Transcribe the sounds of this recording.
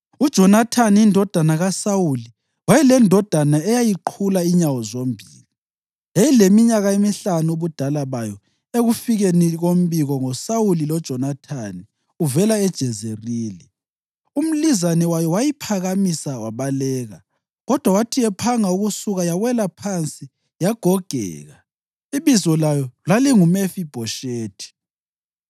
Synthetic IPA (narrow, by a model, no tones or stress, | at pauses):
ud̥ʒ̥ʱɔnatʰanindʱɔd̥ʱanaɣasawuli | wajɛlɛndʱɔd̥ʱanaɛjajiǃʰulaiɲawɔzom̩bʱiːli | ejilemiɲaɣaemiɬanuuβud̥ʱalaβajɔ | eɣufiɣeniɣom̩βiɣɔŋɔsawulilɔd̥ʒ̥ʱɔnatʰani | uvɛlaɛd̥ʒ̥ʱɛzeriːli | um̩lizanɛwajɔwajipʰaɣamisawaβalɛːɣa | ɣɔd̥ʱwawatʰiɛpʰaŋauɣusuɣajaɣwɛlapʰant͡sʼi | jaɡ̥ʱɔɡ̥ʱɛ̰ːɣa | iβizɔlajɔlaliŋumefib̥ʱɔʃeːtʰi̥